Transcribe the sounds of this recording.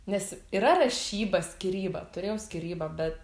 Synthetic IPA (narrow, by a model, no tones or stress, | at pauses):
nʲɛsiːɾɐrɐʃʲiːbɐsʲkʲiɾʲiːbɐt̪ʊɾʲeːjɛʊsʲkʲɪɾʲiːbɐbʲɛt̪